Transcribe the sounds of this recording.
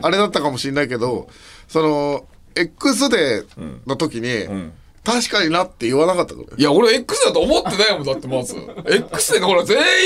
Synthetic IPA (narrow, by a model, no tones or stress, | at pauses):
aɾe̞d̪at̪ːakamo̞ɕĩnːaike̞d̪o̞ | so̞no̞ | e̞kːɯ̟s̬ɨd̪e̞not̪o̞kʲiɲ̟i | t̪aɕi̥kaɲ̟inat̪ːe̞ɯβanakat̪ːa̰ka̰njaoɾeekːɯ̟sɨd̪at̪oːmot̪ːenajmoat̪ːemazɨ̰e̞kːɯ̟̥sɨd̪ekakoɾazeː